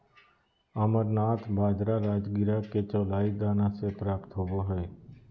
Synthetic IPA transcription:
əməɾnaːt̪ʰbʱaːd͡ʒɾaːɾaːd͡ʒɡɪɾaket͡ʃɔːlaːiɡaːnãːsepɾaːpt̪ɦoːboːɦɛeː

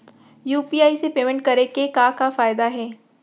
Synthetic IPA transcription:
juːpiaːisepeːmɛ̃ɳʈ̚kɐɾekekakafaːjd̪aɦɛː

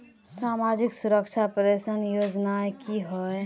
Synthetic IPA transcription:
samad͡ʒiksuɾəkt͡ʃʰapɾesənjod͡ʒnaekiɦɔ

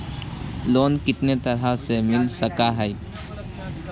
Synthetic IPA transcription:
loːnkɪt̪net̪əɾɦasemɪlsəkaɦɛj

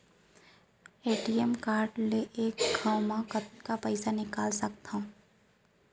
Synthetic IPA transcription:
eːʈiɛmkaːɾɖleʔeːkɡʱaːwmãkət̪kapɐɪsanɪkaːlsɐk̚t̪ʰã

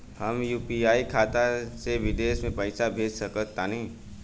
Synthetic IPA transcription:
həmjuːpiaːikʰaːt̪aseʋɪd̪eːʃmẽpɐɪsabʱeːd͡ʒsəkət̪aːnɐĩ

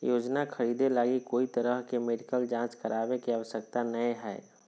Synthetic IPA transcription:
joːd͡ʒnakʰəɾiːd̪elaːɡikoːit̪əɾəɦkemeɖikəld͡ʒãːt͡ʃkəɾʔaːʋekiaʋəsək̚t̪anəeɦɛː

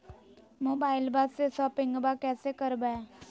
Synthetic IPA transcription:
moːbaːɪlbasesɔːpɪ̃ŋɡbakɛːsekəɾbɛː

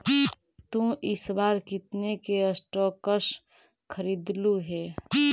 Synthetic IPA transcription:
t̪ũʔɪsbaːɾkɪt̪nekeəsʈɔːkəs | kʰəɾiːd̪luɦɛː

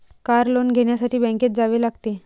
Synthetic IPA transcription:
kaɾlonɡʱeɽɳjasaʈʰiːbɛ̃ŋket̪̚d͡zaʋeːlaɡt̪e

